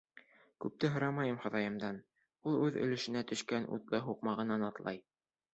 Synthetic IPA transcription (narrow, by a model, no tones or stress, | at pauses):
kʉp̚t̪ɘɦɤ̆ɾɑmɑjɤmχɤ̆ðɑjɤ̆md̪ɑn | ulˠʉðɵ̰̆lɘ̆ʃɘ̆næt̪ɵ̆ʃkænʔṵt̪lˠɤɦuqmɑʁɤ̆nɑnɑt̪lˠɑ̰j